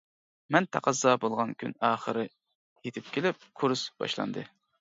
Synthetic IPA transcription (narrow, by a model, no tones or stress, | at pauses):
mɛnt̪ʰæ̰qɑzɑbolˠʁɑnkʲʰy̰nɑːχəɾɨ | jet̪ʰɪp̚kʲʰelɪp̚kʰuɾsbɑ̰ʃlˠɑ̰nd̪ɨ